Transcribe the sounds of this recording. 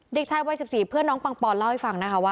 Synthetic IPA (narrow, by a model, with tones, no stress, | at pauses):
de˨˩k̚t͡ɕʰaː˧jwa˧jsi˨˩p̚siː˨˩pʰɯ˥˩ənɔː˦˥ŋpa˧ŋpɔː˧nla˥˩wha˥˩jfa˨˩ŋna˦˥kʰa˦˥waː˥˩